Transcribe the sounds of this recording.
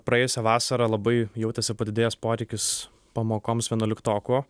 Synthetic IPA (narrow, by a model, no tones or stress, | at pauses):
pɾɐjeːjʊsʲɛʋɑːsɐɾɐlˠɐbɐɪjɛʊt̪ʲɛsʲɪpɐd̪ʲɪd̪ʲeːjɛspoːɾʲɛɪkʲɪs | pɐmoːkoːmsʋʲiɛnoːlʲɪkt̪oːkuoː